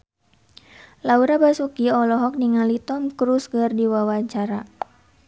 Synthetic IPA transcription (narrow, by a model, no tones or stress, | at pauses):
lauɾabasukiɔlɔɦɔk̚niŋalit̪ɔmkɾusɡərdiwawaɲt͡ʃaɾa